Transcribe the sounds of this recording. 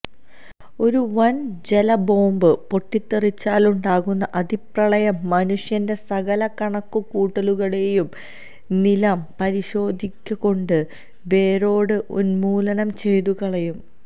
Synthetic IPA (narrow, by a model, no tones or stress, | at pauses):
o̞ɾuʋɐnd͡ʑe̞lɐbo̞ːmbɨpo̞ʈːit̪ːirit͡ɕːaːluɳɖaːɣunːɐʔɐd̪ʱiprɐɭɐjɐmːɐnuʂjɐnde̞sɐɣɐlɐkɐɳɐkːukuːʈːɐluɣɐɭe̞ːjum | nilɐmpɐɾiɕo̞ːd̪ʱikʲːɐko̞ɳɖɨ | ʋe̞ːɾo̞ːɽɨʔunmuːlɐnɐmt͡ɕe̞jt̪uɣɐɭɐjum